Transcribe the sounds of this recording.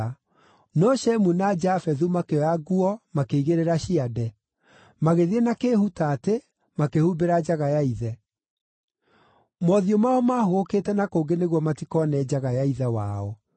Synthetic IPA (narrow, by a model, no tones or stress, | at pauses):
nɔʃɛmunad͡ʒafɛðumakeɔaɣuɔmakeiɣeɾeɾaɕiadɛ | maɣeðienakeːhutate | makehuːbeɾad͡ʑaɣajaiðɛ | mɔðiɔmaɔmahoɣoketɛnakoːŋɡeneɣwɔmatikɔnɛd͡ʑaɣajaiðɛwa̰ːɔ